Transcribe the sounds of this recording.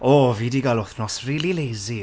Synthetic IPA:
oːviːdiɡalˠʊθnɔsriːlˠilejzi

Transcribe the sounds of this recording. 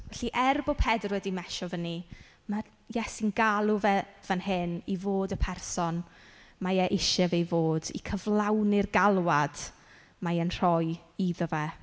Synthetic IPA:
vɛɬiʔɛrbɔpʰɛdrwɛdimɛʃɔvəni | ma | jɛsinɡalˠʊvɛvənhɪnivoːdəpʰɛrsɔn | majɛʔɪʃɛvejvoːdḭkʰəvlˠawnɪrɡalˠwad̥ | majənr̥ɔjiðɔvɛ

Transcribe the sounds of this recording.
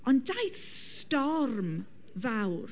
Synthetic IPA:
ɔndajθstɔrm | vawr

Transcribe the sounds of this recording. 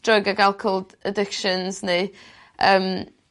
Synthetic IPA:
d̥rɔɡaɡalˠkʰolˠd | ədɪkʃənzne | ʔəːm

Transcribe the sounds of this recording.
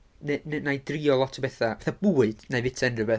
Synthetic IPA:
nennajdriːɔlˠɔtʰɔbɛθavɛθab̥uːɨd̥najvɪtʰɛnrəvɛ

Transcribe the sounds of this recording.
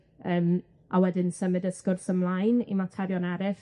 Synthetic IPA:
əːm | ʔawɛdɪnsəmɨdəskʊrsəmlˠajnḭmatʰɛɾjɔnɛɾɪf

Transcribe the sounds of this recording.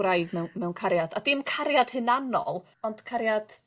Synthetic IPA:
ɾajðmɛwmɛwnkʰaɾjad̥adɪmkʰaɾjad̥hɨnanɔ̰lˠ | ɔnd̥kʰaɾjad̥

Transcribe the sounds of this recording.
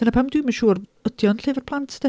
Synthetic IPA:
ənapʰamdwuiməʃuːrədjɔnɬeːvərpʰlˠantʰd̥ɛ

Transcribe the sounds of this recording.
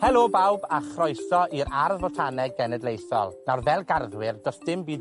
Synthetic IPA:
hɛlˠobawbaχrɔjθɔʔiɾarðvɔtʰanɛɡɛnɛdlejθɔ̰lˠnarvɛlˠɡarðwɪrdɔsd̥ɪmbiː

